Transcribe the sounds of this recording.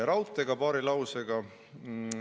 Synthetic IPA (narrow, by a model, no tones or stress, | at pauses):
ɾɑwt̪ːˑeɡ̥ɑpɑːɾilɑwseɡ̥ɑ